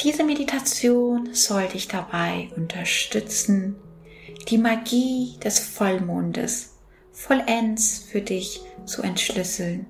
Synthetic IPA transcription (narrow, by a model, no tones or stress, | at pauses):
d̥iːzəmeditʰat͡sjoːnz̥ɔldɪçd̥abaɪʔʊntʰɐʃtʏt͡sn̩ | d̥iːmaɡiːd̥ɛsfɔlmʊndə̰s | fɔlʔɛnsfyːɐdɪçt͡sṵʔɛntʃlʏsl̩n